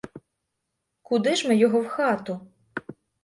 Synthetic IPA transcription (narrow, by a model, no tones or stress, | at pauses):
kud̪ɪʒmɛjɔɦɔwxɑt̪ʊ